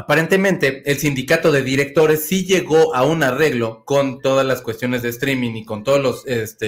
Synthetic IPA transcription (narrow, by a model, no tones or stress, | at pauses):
apaɾe̞nt̪e̞mẽ̞nt̪e̞elsind̪ikat̪o̞ðe̞ðiɾe̞k̚t̪o̞ɾe̞sːiʝe̞ɣo̞ʔaunare̞ɣlo̞ko̞nt̪o̞ðazlaskwe̞st̪jo̞ne̞zðeːst̪ɾimĩniko̞nt̪o̞ðozlo̞sest̪e